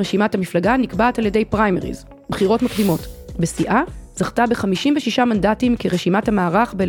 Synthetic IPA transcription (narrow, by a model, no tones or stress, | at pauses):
ʁeʃimathamiflaɡanikbaːtalje̞de̞jpʁajmeʁḭz | bχiʁo̞tmakdimo̞tbe̞siʔazaχtabeχamiʃimveʃiʃamandatimkeʁeʃimathamaːʁaχbel